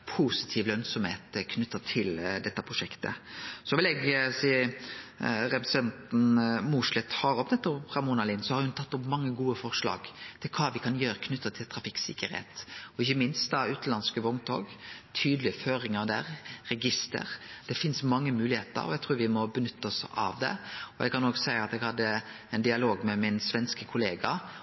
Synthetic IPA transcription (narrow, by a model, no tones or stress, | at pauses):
pʰuːsɪ̥t̪ʰiːʋlœnsɔmheːt̪kʰnʉt̪ːət̪ʰɪld̪ɛt̪ːəpʰʁʊʂɛkt̪ə̰sɔʋɪlɛɡsiːə | ɾɛpəsɛnt̪n̩muʂlɛt̪hɑɾɔpnɛt̪ːɔʁɑmuːnɑlɪːnsɔhɑɾhʉnt̪ʰɑt̪ːʊpmɑŋːəɡuːəfɔʁʂlɑ̰ːɡ̥t̪ʰɪlkʰɑːʋɪkʰɑnjøːɾəkʰnʉt̪ːət̪ʰɪlt̪ʰʁɑfɪksɪkəɾhḛːt̪ɔɪçːəmɪnst̪̚d̪ɑʉːt̪n̩lɑnskəʋɔŋt̪ʰo̰ːɡt̪ʰyːd̪əlɪəføːɾɪŋəʁd̪æ̰ːʁʁɛɡɪst̪ə̰ɾd̪̥ɛfɪnsmɑŋːəmʉːlɪheːt̪ə̰ɾɔ̰ɛɡt̪ʰʁuːɾʋɪmɔbənʏt̪ʰːəɔsɑ̰ʋd̪ɛ̰ɔɛɡkɑnoːɡsæɪəɑt̪ɛɡhɑd̪ːə | ɛnd̪ɪɑloːɡmɛmɪnsʋɛnskəkʰʊleːɡɑ̰